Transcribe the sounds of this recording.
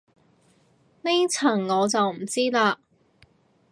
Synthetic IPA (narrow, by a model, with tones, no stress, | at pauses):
ne˥jt͡sʰɐ˨˩ŋːɔː˨˧t͡sɐ˨wm̩˨˩t͡siː˥laː˧